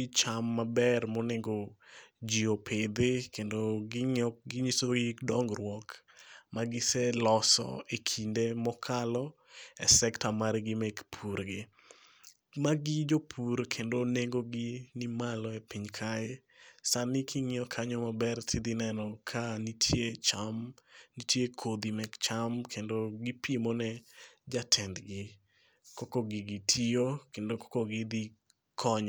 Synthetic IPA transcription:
ɪt͡ʃamːabɛrmɔneŋɡod͡ʒiopʰɪd̪ɪkendoɡŋɡɪɲisoɡɪdɔŋɡrwɔk | maɡɪsɛlɔsɔ̰ekʰindemɔkʰalɔ | ɛsɛktamaɾɡɪmekpʰuɾɡɪ | maɡɪd͡ʒopʰuɾkʰendoneŋɡoɡɪnimalɔɛpiɲkʰae | sanɪkʰiŋɪɔkʰaɲɔmabɛrtʰid̪inɛnɔkʰanitʰjet͡ʃamnitjekʰod̪imɛkt͡ʃamkʰendoɡipʰimonɛd͡ʒatʰɛnd̪ɡɪ | kɔkɔɡɪɡitʰiokendokɔ̥koɡid̪i | kʰɔɲɔ

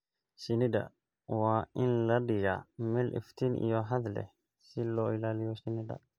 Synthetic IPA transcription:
sɪnɪd̪ɐ̰ | waːʔɪnlɐɖɪɣa̰mɛlʔɪ̰ft̪ʰinʔḭjɔɦɐd̪lɛ̰ | sɪlɔːɪlaːlɪjɔsɪnɪd̪ɐ̰

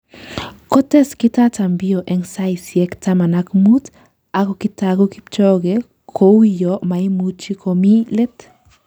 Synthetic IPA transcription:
kot̪eskit̪at̪ambioʔeŋsajsjekt̪amanakmut̪ | aɡokit̪aɡokip̚t͡ʃoɡe | kʰowijoʔmajmut͡ʃikʰomilet̪

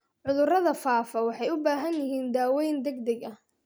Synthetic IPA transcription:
ʕʊðʊrɐðɐfaːfɐwɑħɑjʊbaːɦɐnjɪɦiːnd̪aːwɛjnd̪ɛɡd̪ɛɡɐh

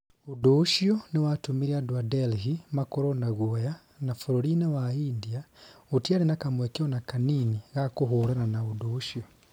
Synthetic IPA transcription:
uduʃionewatumiɾiadwadelɦimakoɾonaɣwoja | nafuɾoɾinewaindiautiaɾinakamwekeonakaniniɣakoɦuɾananaudoʃio

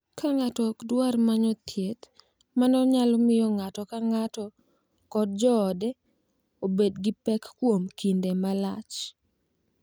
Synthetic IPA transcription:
kʰaŋatɔkdwarmaɲɔt̪ʰjet̪ | manɔɲalɔmɪjɔŋatɔkaŋatɔ | kɔd̚d͡ʒɔːdɛ | obedɡɪpɛkːwomkindemalat͡ʃ

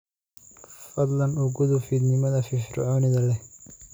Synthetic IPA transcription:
fɐd̪lɐnʊɡʊðʊfid̪nɪmɐðɐfɪfɾʊ̰ʕɔːnɪðɐlɛ

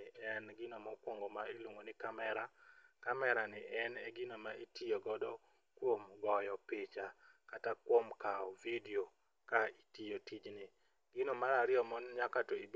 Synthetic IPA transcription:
ɛnɡɪnomɔkwoŋɡomailwoŋɡonɪkamɛɾakamɛɾanɪʔɛnɛɡɪnomaitijoɡɔdɔ | kwomɡɔjɔpet͡ʃa | katakwomkaɔvidio | kaitijotid͡ʒnɪ | ɡɪnomaɾaɾɪɔmɔnɲakatɔid

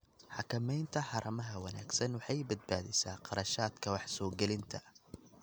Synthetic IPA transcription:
ħɑkʰɐmɛjnt̪ʰɐħɑɾʔɐmɐɦɐwɐna̰ːɡsɐnwɑħɑjbɐd̪̚baːðɛsaːqɑɾɐʃaːd̪kʰɐwɑħsɔːɡɛlɪnt̪ʰɐ

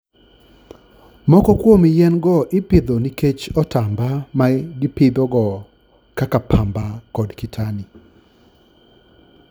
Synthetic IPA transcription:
mɔkɔkwomɪjɛnɡɔʔɪpɪd̪oniket͡ʃɔtambamaɡɪpɪd̪ɔɡɔ | kakapʰambakɔdkitʰani

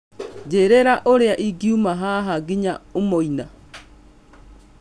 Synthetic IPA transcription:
d͡ʒeɾɛɾaʔoɾeaʔiɡiumaɦaɦaɡiɲaumɔina

